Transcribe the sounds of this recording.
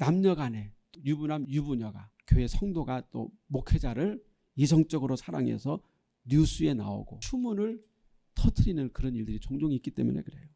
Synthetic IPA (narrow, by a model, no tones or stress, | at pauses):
namɲʌɡane̞t͈ojubunamjubuɲʌɡakjoe̞sʰʌŋdoɡat͈o̰ | mokʰe̞d͡ʑaɾɯɭ | isʰʌŋt͡ɕ͈ʌɡɯɾosʰaɾa̰ŋe̞̰sʰʌ | njusʰue̞na̰o̰ɡot͡ɕʰumunɯɭ | tʰʌtʰɯɾinɯnkɯɾʌniɭdɯɾit͡ɕoŋd͡ʑoŋik͈it͈e̞mṵnḛkɯɾe̞jo